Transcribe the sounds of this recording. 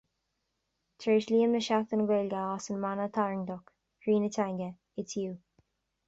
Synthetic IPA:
t̪ʰɹeːʃliːənməʃakt̪ənɡwelɡəasənmanət̪ʰaɹɪŋd̪ɔk | hɹiːnətʰajŋɡə | ɪtʰuː

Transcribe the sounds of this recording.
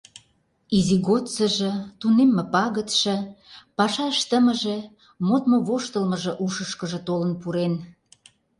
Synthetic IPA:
iziɣot̪t͡səʒə̆t̪unemːĕpɑɣət̪ʃɤ̆pɑʃɑʃt̪əmə̆ʒĕ | mot̪moβoʃt̪əlmə̆ʒɤ̆ʔuʃəʃkəʒə̆t̪olənpuɾen

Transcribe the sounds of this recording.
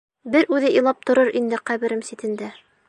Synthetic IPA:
bɘɾʔʉðɘilˠɑp̚t̪ŏɾɤɾʔind̪ɘqæβɘ̆ɾɘmsit̪ɘ̆nd̪æ

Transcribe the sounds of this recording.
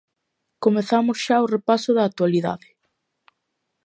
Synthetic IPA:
komeθamʊsʃaorepasʊðaːk̚t̪waliða̰ðɪ

